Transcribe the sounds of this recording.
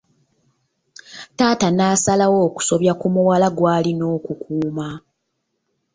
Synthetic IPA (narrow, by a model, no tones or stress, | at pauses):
taːtanaːsalawo̞ːku̥so̞βjakumuwalaɡwaːlino̞ːkukuːma